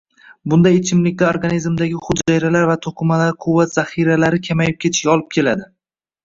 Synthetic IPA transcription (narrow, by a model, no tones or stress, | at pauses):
bʊnd̪ajɪt͡ʃʰɪmlɪkʲt̪aoɾɡanizmd̪aɡʲɪχʊd̪d͡ʒajɾalaɾvat̪ʰoqʰɨmalaɾqʰʊvːat̪z̥aχiɾalaɾɪkʲʰamajɪp̚kʲʰe̞t̪ʰɪ̥ʃɡʲaɒlˠɪp̚kʲʰe̞lad̪ɪ